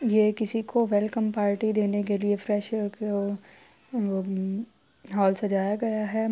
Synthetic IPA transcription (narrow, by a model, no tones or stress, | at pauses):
jekɪsikʰoʋɛlkə̃mpaːɾʈid̪eːnek̬eliefɾɛʃɾke | o | ɦɔːlsɐd͡ʒaːjaɡɐjaɦɛ